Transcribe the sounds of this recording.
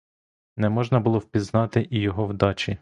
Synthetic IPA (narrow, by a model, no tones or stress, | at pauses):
nɛmɔʒnɐbʊlˠɔwpʲiznɑt̪ɪʔijɔɦɔwd̪ɑt͡ʃi